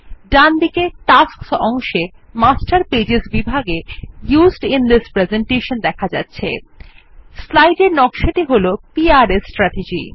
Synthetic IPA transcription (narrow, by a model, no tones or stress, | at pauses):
ɖand̪ikeʈasksɔŋʃe | masʈaɾped͡ʑesbibʱaɡejuzɖind̪ispɾezeɳʈeʃond̪ɛkʰad͡ʑatːɕʰḛ | slajɖeɾnɔkʃaʈiɦolopiaɾesʈɾaʈed͡ʑḭ